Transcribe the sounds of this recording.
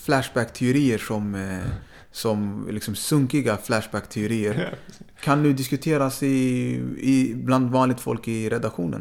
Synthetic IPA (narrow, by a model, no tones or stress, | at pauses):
flæʂbækt̪ʰɛʊɾiːəʂɔm | sɔmlɪksɔmsɵŋkɪɡaflæʂbækt̪ʰɛʊɾiːəɾkʰanːʉ̟ːd̪ɪskɵt̪ʰeːɾasɪ | ɪbland̪vɑːnlɪɡ̚t̪fɔ̰lkɪɾɛd̪akɧṵːnə̰n